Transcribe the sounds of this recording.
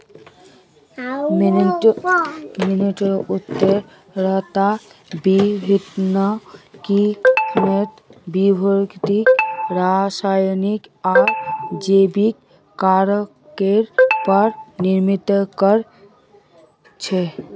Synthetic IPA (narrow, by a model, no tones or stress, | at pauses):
m | miniʈɾut̪ːəɾ | ɾəɦt̪a | bibʱit̪nəkimet̪bibʱoɾkt̪ikɾasajnikad͡ʒebikː | aɾ | keɾpəɾniɾmit̪kəɾ | t͡ʃʰɛ